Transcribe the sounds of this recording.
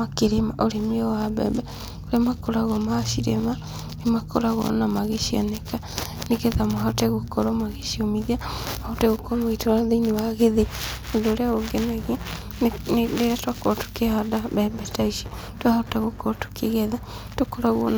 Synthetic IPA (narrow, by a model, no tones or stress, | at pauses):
akeɾemaʔoɾemiɔwabɛ̰bɛ | oɾeamakoɾaɣɔmaʃiɾḛma | nemakoɾaɣwɔ̰namaɣeʃia̰nɛka | neɣɛðamoɦatɛɣokɔɾɔmaɣeʃiɔmiðiamaotɛɣokɔɾɔetoɾaðeinewaɣeðeondoːɾeaɣoɡɛnɛɣe | nneɾatwakɔɾɔtu̥kehadaβɛbɛtaiʃi | twahataɣokɔɾɔtu̥kʰeɣɛða | tokɔɾaɣwɔ̰n